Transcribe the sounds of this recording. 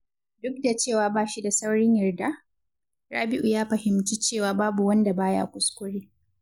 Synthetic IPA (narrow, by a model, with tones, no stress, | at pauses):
dʊ˦k̚da˨t͡ʃeː˦˨waː˨baː˦˨ʃi˦da˨sa˦wɽɪ˦ɲjɐ˨rda˦ | ɽaː˦bɪ˦ʔu˨jaː˦ɸɐ˨hɪ˨mt͡ʃiː˦t͡ʃeː˦˨waː˨baː˦bu˨wɐ˦nda˨baː˦ja̰ː˦kʷʊ˨skʷʊ˦ɽeː˦